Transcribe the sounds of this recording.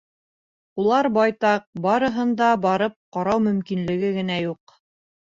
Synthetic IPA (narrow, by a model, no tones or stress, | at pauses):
ulˠɑɾbɑjt̪ɑq̚bɑɾɤ̆ɦɤ̆nd̪ɑbɑɾɤp̚qɑɾɑwmɵ̆mkinlɘ̆ɡɘɡɘ̆næjuq